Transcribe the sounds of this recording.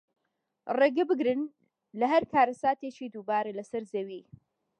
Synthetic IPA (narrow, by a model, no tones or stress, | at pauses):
reːɡɐbɨɡɾɨn | lɐɦɐɾkʰaːɾɐsaːt̪et͡ʃiːd̪uːbaːɾɐlɐsɐɾzewiː